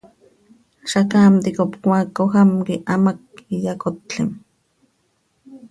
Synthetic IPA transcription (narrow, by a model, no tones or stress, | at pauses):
ʃakaːmt̪ikopkʷakːohamkiʔamak̚ijakot̪t͡ɬim